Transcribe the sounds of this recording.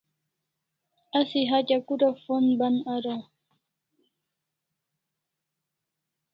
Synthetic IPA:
asiɦacakuɾafonbanaɾa

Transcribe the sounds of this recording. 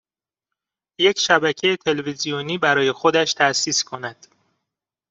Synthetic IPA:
je̞cʰʃæbæcʰe̞jet̪ʰe̞levizijoniːbæɾɒːje̞xo̞d̪æʃt̪ʰæsiːskʰo̞næd̪̥

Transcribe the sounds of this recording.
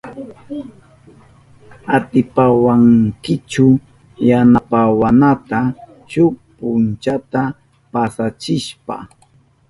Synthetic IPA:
at̪ɪpawaŋkɪt͡ʃʊ | janapawanat̪a | ʃʊpʊnt͡ʃat̪a | pasat͡ʃɪʃpa̰

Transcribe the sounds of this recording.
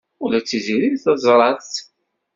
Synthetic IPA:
ulæt͡sːiziɾiθɑzˤɾˤɑθ

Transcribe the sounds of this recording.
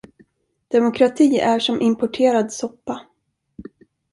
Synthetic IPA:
d̪̥ɛmʊkʰɾat̪ʰiːæʂɔmʔɪmpɔʈʰeːɾad̪sɔpːa

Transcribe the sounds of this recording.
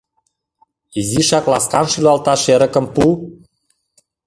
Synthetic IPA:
iziʃɑklɑskɑnʃylɑlt̪ɑʃeɾə̆kə̆mpu

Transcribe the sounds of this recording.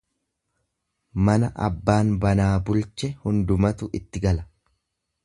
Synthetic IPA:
mɐnɐʔɐbːaːnbɐnaːbʊlt͡ʃɛhʊnd̪ʊmɐt̪ʊʔɪt̪ːɪɡɐlɐ̥

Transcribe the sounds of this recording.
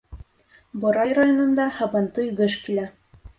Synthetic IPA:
bŏɾɑjɾajonŏnd̪ɑhɑbɑnt̪ɤjɡɘʃkilæ

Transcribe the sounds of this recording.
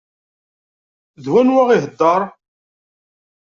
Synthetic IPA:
ðwænwæʁiɦəd̪ːɑɾˤ

